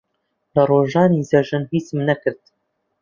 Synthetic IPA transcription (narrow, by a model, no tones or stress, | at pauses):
lɐroːʒɑːnizɐʒɨnhiːt͡smnɐkɨɾd̪̚